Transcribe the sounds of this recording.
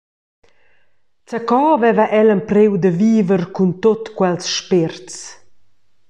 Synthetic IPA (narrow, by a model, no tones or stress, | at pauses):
t͡səkɔvɛvəʔɛləmpɾewd̪əviːvərkunt̪ot̪kwɛlsʃpɪɾt͡s